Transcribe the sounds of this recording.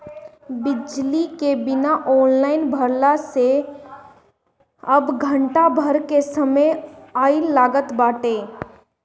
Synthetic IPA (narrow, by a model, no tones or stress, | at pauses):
bɪd͡ʒlikebɪnaʔɔːnlaːɪnbʱəɾlase | ɐbɡʱə̃ɳʈabʱəɾkesəməjaːɪlːaːɡət̪baːʈeː